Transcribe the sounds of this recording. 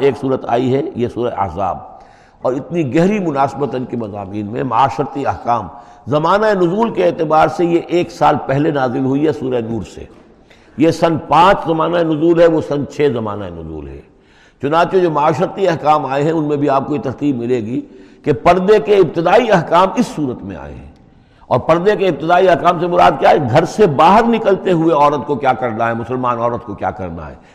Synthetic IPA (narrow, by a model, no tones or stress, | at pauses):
eːksuːɾət̪a̰ːiɦɛjesuːɾəḛɐ̰ɦza̰ːb̚ | ɔːɾɪt̪niɡɛɦɾimʊnaːsbət̪ɐnkemɐza̰ːmiːnmḛ̃mɐaːʃəɾət̪iɐɦkaːmzɐmaːnaenʊzuːlkeeːt̪ɪbaːɾsejeʔeːksaːlpɛɦlenaːzɪlɦʊiɦɛsuːɾəenuːɾsḛ | jesɐ̃nd̪pãːt͡ʃzɐmaːnaenʊzuːlɦɛʋosɐ̃nd̪t͡ʃʰɛːzɐma̰ːnaḛnʊ̰zṵːlɦɛ̰ | t͡ʃʊnaːt͡ʃed͡ʒoːmɐaːʃɾət̪iɐɦkaːmaːeɦɛ̃ʊnmẽbʱiaːp̚kojet̪ɐɾt̪iːbmɪleːɡikepɐɾd̪ekeɪb̚t̪ɪd̪aːiɐɦkaːmɪsːuːɾət̪mḛ̃a̰ːḛɦɛ̰̃ | ɔ̰ːɾpɐɾd̪ekeɪb̚t̪ɪd̪aːiɐɦkaːmsemʊɾa̰ːd̪̚kjaːɦɛːɡʱɐɾsebaːɦəɾnɪkəlt̪eɦueɔːɾət̪̚kokjaːkɐɾnaɦɛmʊsəlmaːnɔːɾət̪kokja̰ːkɐ̰ɾna̰ɦɛ̰ː